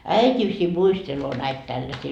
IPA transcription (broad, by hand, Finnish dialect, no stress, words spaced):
æitʲisi muisteloː næit tælːæsiː